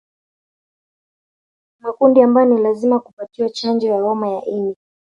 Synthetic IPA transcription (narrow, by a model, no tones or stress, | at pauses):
makundiambajɔnilazimakupatiwat͡ʃand͡ʒɔjawɔmajaʔini